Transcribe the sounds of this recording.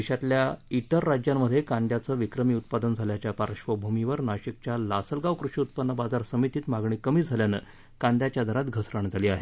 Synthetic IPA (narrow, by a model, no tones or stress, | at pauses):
iɕat̪ljait̪əɾːad͡ʑjammːəd̪ʱːjekãnd̪jat͡səːʋikɾəmiːut̪̚pad̪ənd͡zʱaljat͡ɕjapaɾəʂʋəbʱumiʋəɾnaɕik̚t͡ɕjalasəlɡaʋkɾuʂiut̪̚pənːəbad͡zaɾsəmit̪iːt̪maɡɳiːkəmiːd͡zʱaljanə̰ | kãnd̪jat͡ɕjad̪ʱəɾat̪ɡʱəsɾəɳd͡zʱaliːaɦe